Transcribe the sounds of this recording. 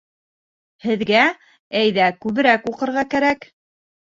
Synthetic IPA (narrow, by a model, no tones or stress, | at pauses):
hɘ̆ðɡæ | æjðækʉβɘ̆ɾækuqɤ̆ɾʁɑkæɾæk